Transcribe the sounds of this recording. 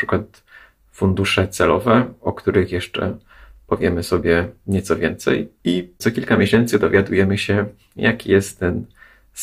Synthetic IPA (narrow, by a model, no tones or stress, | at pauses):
ʂɘkwat̪ | fund̪uʂɛt̪sɛlɔvɛɔkt̪uɾɘxjɛʂt͡ʂɛ̰ | pɔvʲjɛmɘsɔbʲjɛɲɛt̪sɔvʲjɛnt̪sɛ̰jit̪sɔkʲilkamʲjeɕɛnt̪sɘd̪ɔvʲjad̪ujɛmɘɕɛ | jakʲʰijɛst̪ːɛn